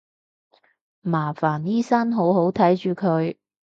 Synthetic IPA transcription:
maː˨˩faː˨˩niː˥sɐ˥nɦo˨˥wɦo˨˥wt̪ʰɐ˨˥jt͡ʃyː˨˧kʰɵ˨˧ɥ

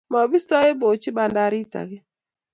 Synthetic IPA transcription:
mɔ˨bi˦stɔ˦e˦bo˨t͡ʃi˦ba˨nda˦ɾi˦ta̰˨ɡɪ˦

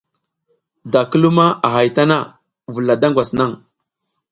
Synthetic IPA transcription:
da˨kə˦lu˦ma˦ʔa˨ɦa˨jta˦na˦˨ | vu˨la˨da˦ŋɡʷwa˨sna˦˨ŋ

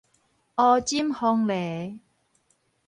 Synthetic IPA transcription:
ʔɔː˧t͡ɕi˦˥mhɔ˧ŋlɛː˨˦

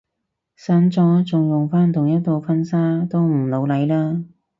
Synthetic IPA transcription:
sɐ˨˥nt͡sɔː˨˥t͡sʊ˨ŋjʊ˨ŋfaː˥nt̪ʰʊ˨˩ŋjɐ˥t̚t̪ːo˨˧wfɐ˥nsaː˥t̪o˥wm̩˨˩lo˨˧wlɐ˨˧˥jlaː˥

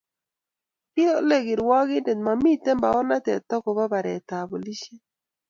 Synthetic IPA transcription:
pɪ˦o˦le˦ɡɪ˨ɾwɔ˦ɡɪ˦de˨tma˨mi˦tɛ˦mba˨ɔ˦na˦tɛ˨t̪ɔ˦kɔ˨ba˦ba˨ɾɛ˨t̪a˨bo˨li˦ʃe˦

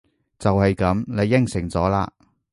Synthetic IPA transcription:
t͡sɐ˨whɐ˨jkɐ˨˥mle˨˧jːɪ˥ŋsɪ˨˩ŋt͡sɔː˨˥la̰ː˧

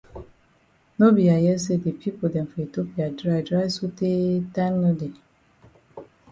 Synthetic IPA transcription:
no˦bi˨a˨jɛ˦s̬e˦de˨pʰi˦po˨dɛ̃˨mfɔ˨e˨to˦pi˨a˨dɾa˦jdɾa˦jso˦te˦ta˦nno˦de˨

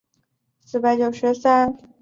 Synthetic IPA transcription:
sɹ̩˧˩pa˧˥ɪt͡ɕjo˨˩ʊʂɻ̩˧˥sa˥n

